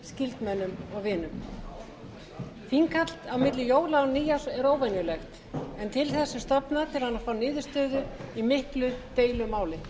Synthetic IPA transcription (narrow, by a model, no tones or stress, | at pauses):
scɪlt̪mɛnːʏmɔɣvɪːnːʏm | fiŋkʰat̪l̥t̪awmɪt̪lɪjoːwlawniːjaɾɛɾoːwvɛnjʏlɛxt̪ | ɛnt̪ʰɪlθɛsːʏst̪ɔpnat̪ʰɪlhanːafaːwnɪːðʏst̪œːðʏimɪhklʏt̪eːjlʏmaːwlɪ